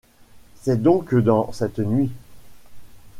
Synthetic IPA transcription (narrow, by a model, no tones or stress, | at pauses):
sɛd̪ɔ̃kd̪ɑ̃sɛt̪nɥi